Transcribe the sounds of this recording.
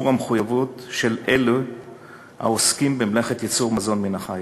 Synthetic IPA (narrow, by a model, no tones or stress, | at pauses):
uʁameχujavutʃelʔelu | ha̰oskimbemleχe̞t̪jit͡suʁmazo̞nminaχaj